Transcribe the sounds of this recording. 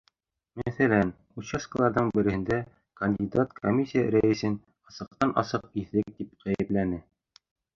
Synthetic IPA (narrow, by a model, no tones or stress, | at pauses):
mæθælæn | ut͡ɕesklˠɑɾðɤɴbɘ̆ɾɘ̆hɘ̆nd̪æ | kɐnʲdʲid̪at̪kʰomʲisʲːijaɾæɘsɘn | ɑsɤ̆q̚t̪ɑnʔɑ̰sɤq̚iθːɘk̚d̪ip̚qæjɘ̆plænɘ